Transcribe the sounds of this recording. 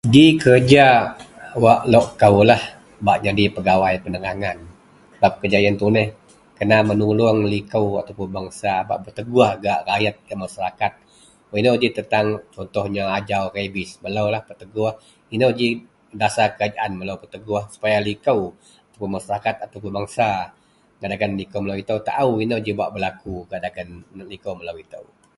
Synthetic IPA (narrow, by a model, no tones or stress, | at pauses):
dikərd͡ʒa | waʔloʔkəwlah | baʔɲadipəɡawajpənəŋaŋan | bap̚kəd͡ʒajant̪unɛh | kənamənulʊŋlikəwa̰t̪awpʊnbaŋsaba̰ʔbərt̪əɡuahɡaʔrajat̪̚ɡaʔmasaɾakat̪̚ | winəwd͡ʒit̪ənt̪aŋt͡ʃɔnt̪ɔhɲaad͡ʒawrebɪsməlawlahpərt̪əɡuah | inəwd͡ʒi | dasakəad͡ʒaʔanməlawpət̪əɡuahsu̥pajalikəw | at̪awpunmaʃaɾakat̪̚at̪awpunbaŋsa | ɡaʔdaɡanlikəwməlawit̪əwt̪a̰ʔuinad͡ʒibaʔbəlakuɡaʔdaɡanlikəwməlawit̪ə̰w